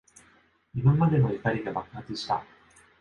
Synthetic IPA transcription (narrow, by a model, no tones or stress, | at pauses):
imamad̪e̞noekaɾʲiɡabakɯhat͡sɨɕi̥t̪a̰